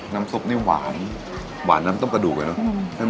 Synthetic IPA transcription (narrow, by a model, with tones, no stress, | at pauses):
naː˦˥msu˦˥˩p̚naː˥˩waː˩˦n | wa̰ː˩˦nːaː˦˥mt̪ɔ˥˩ŋka˧duː˨˩k̚la˧˩nɔ˦˥˩na˥˩